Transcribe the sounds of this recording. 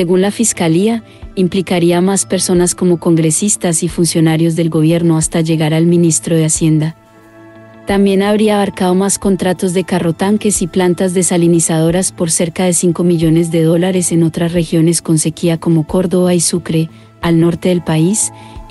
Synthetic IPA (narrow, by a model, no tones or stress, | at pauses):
se̞ɣunlafiskalia | implikaɾiamaspe̞ɾso̞nasko̞mo̞ko̞ŋɡɾe̞sist̪asifunsjo̞naɾjo̞zd̪e̞lɡo̞βje̞ɾno̞ast̪aʝe̞ɣaɾalmĩnist̪ɾo̞ð̞e̞asje̞nd̪a | t̪ambje̞naβɾiaːβaɾkaðo̞masko̞nt̪ɾat̪o̞zd̪e̞karo̞t̪aŋke̞siplant̪azd̪e̞salinisaðo̞ɾaspo̞ɾse̞ɾkaðe̞siŋko̞miʝo̞ne̞zd̪e̞ðo̞laɾe̞se̞no̞t̪ɾasre̞xjo̞ne̞sko̞nse̞kiako̞mo̞ko̞ɾðo̞βaisukɾe̞ | alno̞ɾt̪e̞ðe̞lpais